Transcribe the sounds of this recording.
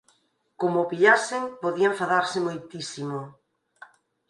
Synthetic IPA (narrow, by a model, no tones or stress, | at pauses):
komopiʎasɪŋpoðiaɱfaðaɾsɪmojt̪isimo